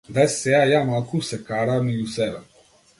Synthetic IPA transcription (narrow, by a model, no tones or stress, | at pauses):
d̪asɛajaːmalkusɛkaɾamijusɛbɛ